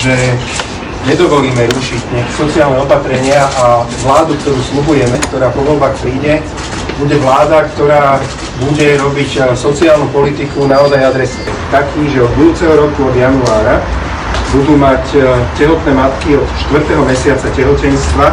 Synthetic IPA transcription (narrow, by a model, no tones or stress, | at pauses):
ʒɛ | ɲɛd̪ɔʋɔliːmɛɾuʃiɟɲɪakɛ̥sɔt͡siaːlnɛɔpat̪ɾɛɲɪaʔaʋlaːd̪uk̚t̪ɔɾuːsluɦujɛmɛkt̪ɔɾaːpɔʋɔlbaxpɾiːɟɛ | buɟɛʋlaːd̪akt̪ɔɾaː | buɟɛɾɔbicsɔt͡siaːlnupɔlit̪ikunaɔzajad̪ɾɛsat̪akʰiːʒɛɔd̪̚bud̪uːt͡sɛɦɔɾɔkuɔd̪januaːɾa | bud̪uːmaccɛɦɔt̪nɛːmat̪kiɔt̪ʃt̪ʋr̩t̪ɛɦɔmɛsɪat͡sacɛɦɔcɛnst̪ʋa